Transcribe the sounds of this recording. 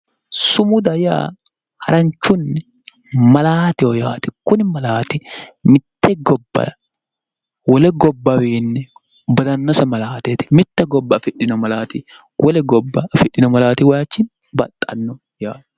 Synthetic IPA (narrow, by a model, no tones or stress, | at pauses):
sʊmʊd̪ɐja̰ː | hɐɾɐɲt͡ʃːʊnːɛ | mɐlaːt̪ɪɔjaːt̪ɪ̥kʊnɪmɐlaːt̪ɪmɪt̪ːɛɡɔbːɐ̰ɐ | wɔlɛɡɔbːɐwiːnːɛ | bɐd̪ɐnːɐsɐmɐlaːt̪et̪ɪ̥mɪt̪ːɛɡɔbːɐfɪᶑɪnɔmɐlaːt̪i | wʔɔlɛɡɔbːɐɐfɪᶑɪnɔmɐlaːt̪iwɐjaːt͡ʃːɪn | bɐ̰t̪ʼːɐ̰nːɔ | jaːt